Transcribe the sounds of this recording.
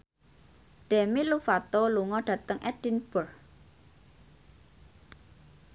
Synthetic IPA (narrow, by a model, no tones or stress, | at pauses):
ɖ̥emilufat̪oluŋɔɖ̥ä̤t̪əŋʔɛd̥inb̥ər